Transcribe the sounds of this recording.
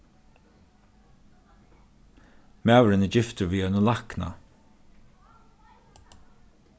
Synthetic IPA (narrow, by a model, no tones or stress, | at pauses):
mæːwɾɪnəd͡ʒɪft̪ʊviːœnʊlahkna̰